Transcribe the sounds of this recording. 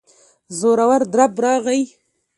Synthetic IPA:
zoɾawaɾd̪ɾabɾɑɣaj

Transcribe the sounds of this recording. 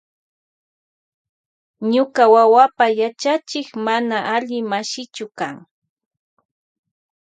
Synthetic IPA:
ɲʊkawawapajat͡ʃat͡ʃɪkmanaʔaʎɪmaʃɪt͡ʃʊkaŋ

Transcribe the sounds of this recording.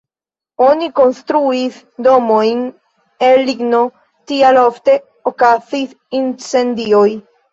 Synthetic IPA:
oniko̞nstɾuis | do̞mo̞jn | elːiɡno̞ | tialofte̞ | okasis | int͡se̞ndio̞j

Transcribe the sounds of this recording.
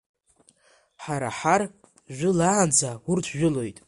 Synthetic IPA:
ħaɾa̰ħar | ʒʷᶣʊlaʕand͡zawʊrtʷʰʒᶣɪlo̞jtʼ

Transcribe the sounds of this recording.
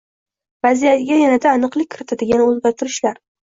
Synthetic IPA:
vazijat̪ɪɡʲajanad̪aːnɨqlˠɪk̚ʲʰːɪɾɪt̪ʰad̪ɪɡʲanɪolɡʲaɾt̪ʰɪɾɪʃlaɾ

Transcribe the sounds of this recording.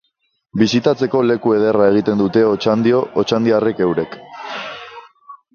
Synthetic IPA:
bisit̪at͡se̞ko̞le̞kue̞ð̞e̞rae̞ɣ̞it̪e̞nd̪ut̪e̞ot͡ʃand̪io̞ʔot͡ʃand̪iare̞ke̞wɾe̞k

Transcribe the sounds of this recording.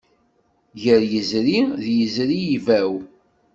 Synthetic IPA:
ʝəɾjəzɾiðjəzɾijivæw

